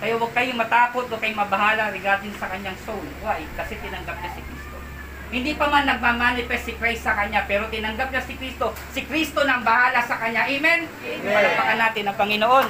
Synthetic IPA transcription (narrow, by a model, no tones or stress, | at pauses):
kɐjawɐɡ̚kɐjɪŋmɐt̪aːko̞t̪̚wɐɡ̚kːɐjŋmɐbɐɦaːlɐɾɪɡaːd̪ɪnsɐkɐɲaŋsowloɐjkɐsɛt̪ɪnɐŋɡap̚ɲasɪkɾiːst̪o | hɪnd̪iːpɐmanːɐɡ̚mamaːnɪpɛstːɪkɾajsɐkɐɲapɛːɾot̪ɪnɐŋɡap̚ɲasɪkɾist̪o̞sɪkɾist̪onɐɐŋbɐhaːlɐsɐkɐɲːaʔimɛn | ɪɐlapɐkɐnːaːt̪ɪnɐŋpɐŋɪnoʔo̞n